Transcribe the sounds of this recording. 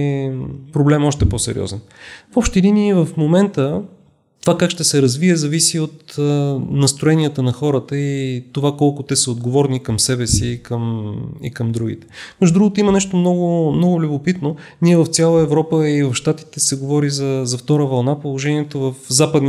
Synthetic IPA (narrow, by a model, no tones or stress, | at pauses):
pɾoblɛmɔʃt̪ɛpɔsɛ̰ɾḭɔ̰zɛnfɔpʃt̪ɛɛd̪inivəfmomɛnt̪ə | t̪ovakakʃt̪ɛsɛɾɐzviɛzɐvisiot̪ | nɐst̪ɾoɛnijət̪ənɐxɔɾət̪əit̪ovakɔlˠkʊt̪ɛsəod̪ɡovɔɾnikɐmsɛbɛsiːkəmḭkɐmd̪ɾuɡ̟ḭt̪ɛ̥mɛʒd̪ʊd̪ɾuɡot̪oimənɛʃt̪omnɔɡʊmnɔɡʊlʲʊbopit̪noniɛvɐft̪sʲjalˠəɛvɾɔpəivɐfʃt̪at̪i̥t̪ɛsɛɡovɔɾizɐzɐft̪ɔɾəvɐlˠnapolˠoʒɛniɛt̪ovəfzapəd̪n